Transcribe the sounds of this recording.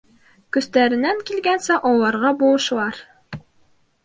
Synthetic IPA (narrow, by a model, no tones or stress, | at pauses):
kɵ̆st̪æɾɘ̆næŋkilɡænsæʔɒlˠɑɾʁɑbulˠɤ̆ʃ̆lˠɑɾ